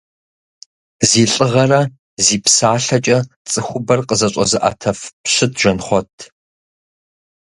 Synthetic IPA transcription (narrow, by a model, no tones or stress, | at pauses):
ziːɬʼɨʁɐrɐ | ziːpsaːɬɐt͡ʃʼɐ | t͡sʼɨxʷʊbɐrqʼəzɐɕʷʼɐ̰zɨʔa̰tʰɐfpɕɨtʰʒɐnχʷɔtʰ